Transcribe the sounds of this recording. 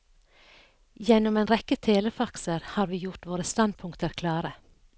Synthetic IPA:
jɛnɔmeːnɾɛkət̪ʰeːləfɑksəɾhɑːɾʋiːjʊʈʋoːɾəst̪ɑnd̪̚pʰʊŋkt̪əɾkʰlɑːɾə

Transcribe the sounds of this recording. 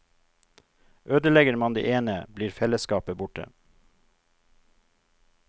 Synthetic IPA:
ʔøːd̪əlɛɡəɾmɑnd̪ḛːʔeːnəbliːɾfɛləskɑːpəbʊʈə̰

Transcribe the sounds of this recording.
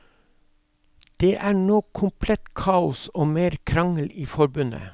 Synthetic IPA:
d̪̥eːʔæːɳoːkʰʊmpʰlɛt̪kʰɑːʊsoːmeːɾkʰɾɑŋəliːfɔɾbʉnə̰

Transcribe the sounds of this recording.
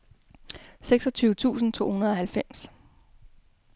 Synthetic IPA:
seɡ̥sɒ̽t͡sʰyːʊət͡sʰṵːsn̩t͡sʰo̝̰ːhunɐðˠɒ̽hælfem̰s

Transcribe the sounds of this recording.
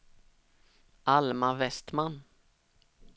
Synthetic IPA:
ʔalmavɛst̪man

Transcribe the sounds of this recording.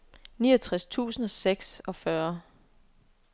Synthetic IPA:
niːɐʌt͡sʰʁast͡sʰṵːsn̩ɒ̽seɡ̥sɒ̽fɶɐ

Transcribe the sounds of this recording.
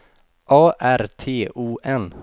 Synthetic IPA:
ʔɑːʔæɾt̪ʰeːuːʔɛn

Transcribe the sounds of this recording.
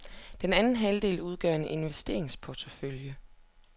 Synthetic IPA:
d̥enænn̩ɦæld̥e̝̰ːluð̞ˠɡ̥ɶ̰ɐenʔe̝nʋesd̥e̝̰ɐ̰e̝ŋspʰɒt͡sʰəføljə

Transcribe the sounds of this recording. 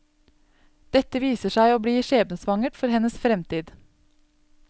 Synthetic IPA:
d̪̥ɛt̪əʋiːsəʃæɪoːbɽiːʃeːbnəsʋɑŋəʈfɔɾhɛnəsfɾɛmt̪iːd̪

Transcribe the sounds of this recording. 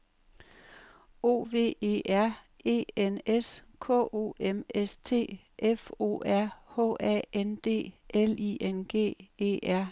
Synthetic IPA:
o̝̰ːʋe̝̰ːe̝̰ːʔæɐ̰ | e̝̰ːeneskʰɔ̰o̝̰emest͡sʰe̝̰ː | ʔefo̝̰ːæɐ̰hɔ̰ɛend̥e̝̰ːʔelienɡ̥e̝̰ːe̝̰ːʔæɐ̰

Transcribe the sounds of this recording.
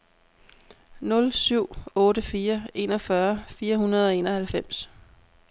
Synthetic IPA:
nɔ̽lsyʊ̰ɔ̽ːɾəfiːɐe̝nɒ̽fɶɐfiːɐhunɐð̞ˠɒ̽e̝ːnɒhælfem̰s

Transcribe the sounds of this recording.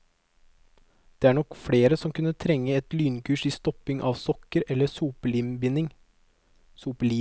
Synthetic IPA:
d̪̥eːæːɳɔkfɽeːɾəsɔmkʰʉnət̪ʰɾɛŋːəɛt̪lyːnkʰʉːʃiːst̪ɔpɪŋʔɑːʋsɔkəɾɛlːəsuːpəlɪmbɪnɪŋ | suːpəliː

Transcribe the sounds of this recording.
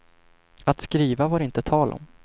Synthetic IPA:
at̪skɾiːvavaɾɪnt̪ət̪ʰɑːlɔ̰m

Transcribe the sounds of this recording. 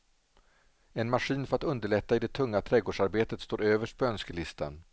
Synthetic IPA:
ɛnmaɧiːnfœɾat̪ɵnd̪əɭɛt̪ːaɪd̪ɛt̪ʰɵŋːat̪ʰɾɛɡoːɖʂaɾbeːt̪ət̪st̪oːɾøːvəʂʈ̚pʰɔœnskəlɪst̪a̰n

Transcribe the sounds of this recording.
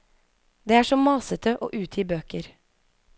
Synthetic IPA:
d̪eːæːʂɔmɑːsət̪ʰəʔo̰ːʔʉːt̪ʰɪːbøːkəɾ

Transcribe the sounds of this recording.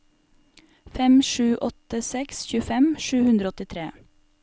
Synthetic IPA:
fɛmʃʉːʔɔt̪əsɛksçʉːfɛmʃʉːhʉnd̪ɾəɔt̪ɪt̪ʰɾḛː

